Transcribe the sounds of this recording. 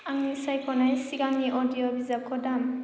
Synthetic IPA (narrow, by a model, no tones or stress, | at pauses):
aŋnisajkʰɔnajsiɡaŋniʔɔdijɔbizakʰɔdam